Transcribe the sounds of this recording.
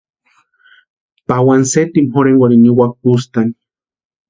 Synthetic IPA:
pawanset̪imhoɾenwaɾiniwak̚pust̪ani̥

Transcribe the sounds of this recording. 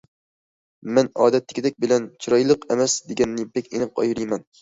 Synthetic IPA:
mɛnɒːd̪ɛt̪ʰːɪ̥kʲid̪ɛkʲbɪlɛnt͡ʃʰiɾɒjlˠɨqemɛsd̪eɡʲɛnːɪbɛkʲenɨpɑ̰jɾijmɛn

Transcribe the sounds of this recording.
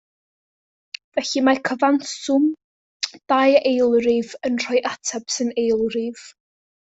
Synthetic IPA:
vɛɬimakʰəvansʊm | d̥ajejlˠrɪvənr̥ɔjʔatʰab̥sɪnejlˠrɪv̥

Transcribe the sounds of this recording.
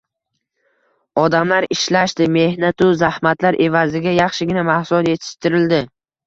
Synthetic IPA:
ɒd̪amlaɾɪʃlaʃt̪ɪme̞hnat̪ʊzahmat̪laɾʔe̞vazɪɡʲajɑχʃɪɡʲɪnamahsʊlɒt̪je̞t̪ʰɪ̥ʃt̪ɪɾɪld̪ɪ

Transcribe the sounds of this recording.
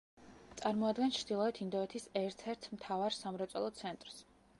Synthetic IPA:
t̪sʼaɾmɔad̪ɡɛnt͡ʃʰɾd̪ilˠɔɛt̪ʰind̪ɔɛt̪ʰisɛɾt̪ʰɛɾt̪ʰmt̪ʰavaɾsamɾɔt̪sʼɔ̰lˠɔt̪sʰɛnt̪ʼɾs

